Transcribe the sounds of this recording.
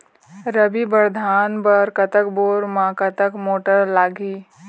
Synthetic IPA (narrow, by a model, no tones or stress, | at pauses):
ɾəbibəɾd̪ʱaːnbəɾkət̪əkboːɾmãkət̪əkmoːʈəɾlaːɡiː